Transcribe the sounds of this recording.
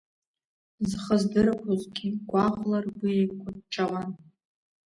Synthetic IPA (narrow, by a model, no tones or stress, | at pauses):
zχəzdɨɾakʰʷozɡʲiɡʷʼaʁlarɡʷiejkʷʰadʈ͡ʂʼaʁan